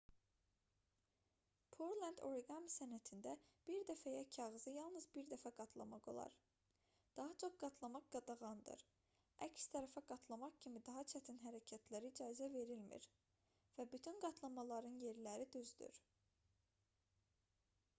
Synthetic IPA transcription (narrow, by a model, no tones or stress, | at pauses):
pʰoɾlænd̪o̞̰ɾiɡɑnsænæt̪ʰind̪æb̥iɾd̪æfæjæcʰɑʁɯzɯjɑlˠnɯzbiɾd̪æfæɡɑt̪ʰlˠɑ̰mɑɡo̞̰lˠɑ̰ɾ | d̪̥ɑɦɑt͡ʃʰo̞χɡ̥ɑt̪ʰlˠɑmɑqɡ̥ɑd̪ɑʁɑnd̪ɯ̰ɾ | æcst̪ʰæɾæfæɡɑt̪ʰlˠɑmɑχcʰimid̪ɑɦɑt͡ʃʰæt̪ʰinɦæɾæcʰæt̪ʰlæɾiːd͡ʒɑːizæve̞ɾilmḭɾ | væbyt̪ʰynɡɑt̪ʰlˠɑmɑlˠɑɾɯnje̞ɾlæɾid̪yzd̪y̰ɾ